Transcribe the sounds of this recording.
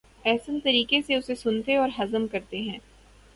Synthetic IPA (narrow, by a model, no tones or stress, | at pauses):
ɛːsənt̪ɐɾiːkeseʊsesʊnt̪eɔːɾɦɐzəmkɐɾt̪eɦɛ̃ː